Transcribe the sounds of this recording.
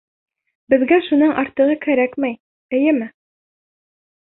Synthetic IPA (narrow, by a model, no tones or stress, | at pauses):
bɘ̆ðɡæʃunɤɴʔɑɾt̪ɤ̆ʁɤkæɾækmæj | ɘ̆jɘmɘ